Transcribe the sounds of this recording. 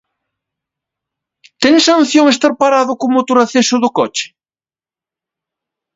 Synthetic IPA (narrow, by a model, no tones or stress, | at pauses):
t̪ɛŋsan̟θjoŋest̪aɾpaɾaðʊkomot̪oɾaθesʊðʊkɔt͡ʃɪ̥